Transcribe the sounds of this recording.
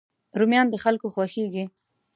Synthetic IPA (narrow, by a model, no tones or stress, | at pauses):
ɾumjɑnd̪əxalkoxwaxeɡi